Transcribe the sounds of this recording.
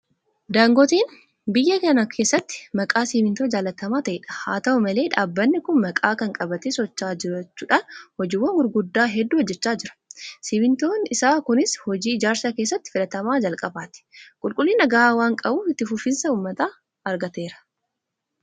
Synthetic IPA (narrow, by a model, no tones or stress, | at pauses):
d̪aːŋɡɔt̪iːn | bɪjːɐkɐnɐkʰe̞ːsːɐt̪ːɪ̥mɐkʼaːsiːmɪnt̪oːd͡ʒaːlɐt̪ɐmaːt̪ɐʔɛːᶑɐ̥ha̰ːt̪ɐʔʊmɐle̞ːᶑaːbːɐnːɪkʊnmɐkʼaːkɐŋkʼɐbɐt̪eːsɔt͡ʃːaːd͡ʒɪɾɐt͡ʃːuːᶑaːnhɔd͡ʒɪːwːɐnɡʊɾɡʊd̪ːaːɦɛd̪ːuːhɔd͡ʒːɛt͡ʃːaːd͡ʒɪɾɐ̥siːbɪnt̪o̞ːnɪsaːkʊnɪshɔd͡ʒiːɪd͡ʒaːɾsakeːsːɐt̪ːɪ̥fɪlɐt̪ɐmaːd͡ʒɐlkʼɐbaːt̪ɪ̥kʼʊlkʼʊlːiːnɐɡɐwaːŋkʼɐbuːfɪt̪ːɪfʊfɪnsɐuːmːɐt̪aː | ɐɾɡɐt̪e̞ːɾɐ̥